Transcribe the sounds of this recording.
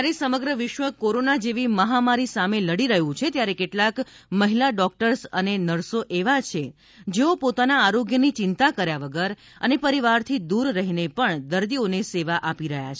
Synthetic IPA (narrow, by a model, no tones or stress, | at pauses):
jaɾesəməɡɾəʋɪʃʋəkoɾonad͡ʒeʋiməɦamaɾisameləɽiɾəɦũt͡ʃʰet̪jaɾekeʈlakməɦilaɖɔk̚ʈəɾsə̰nenəɽsoʔeʋat͡ʃʰe | d͡ʒeopot̪anaːɾoɡjənit͡ʃɪnt̪akəɾjaʋəɡəɾ | ə̰nepəɾiʋaɾt̪ʰid̪uɾːəɦinepəɳd̪əɾd̪ioneseʋaʔapiɾəɦja̰t͡ʃʰe